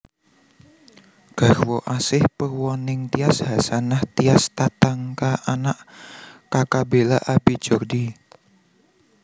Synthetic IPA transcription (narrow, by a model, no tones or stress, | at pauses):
ɡ̥arwɔʔasɪhpərwɔnɪŋt̪iashasanaht̪iast̪at̪aŋkaanaʔkakabelaʔabi̥d͡ʒ̥ɔrdi